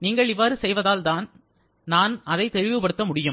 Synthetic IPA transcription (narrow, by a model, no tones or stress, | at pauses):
niːŋɡɐɭɪʋːaːɾɯsɛjʋɐðaːlt̪aːn | naːnɐðɐɪt̪ːɛɻɪʋɯpɐɽɯt̪ːɐmʊɽɪjɯm